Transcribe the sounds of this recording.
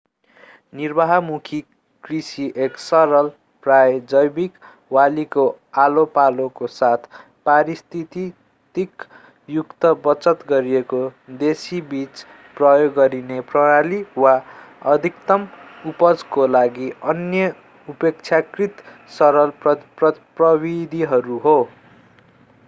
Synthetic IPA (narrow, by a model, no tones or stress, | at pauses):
nirbaɦʌmukʰi | krisiʔeksʌɾʌl | prajd͡zʌjbik | waliko | alopalokosat̪ʰ | paɾist̪ʰit̪i | t̪ik | jukt̪ʌbʌt͡sʌt̪ɡʌɾiekod̪esibit͡s | prʌjoɡːʌɾineprʌɽaliwaʌd̪ʱikt̪ʌmupʌd͡zkolaɡiʌnjʌ | upek̚t͡sʰjakrit̪sʌɾʌlʌprʌbid̪ʱiɦʌɾuɦo